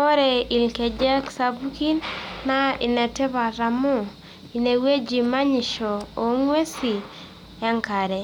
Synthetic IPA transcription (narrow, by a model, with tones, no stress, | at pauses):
o˦ɾe˨i˨lke˨d͡ʒɛ˦ksabu˦ki˦nːa˦ḭ˨nɛ˨tɛ˦ba˨ɾa˨mʊ˦ | i˨ne˨we˦d͡ʒi˨ma˦ɲɪ˨ʃɔ˨o˨ŋwe˦si˨ | ɛ˦ŋka˨ɾɛ˨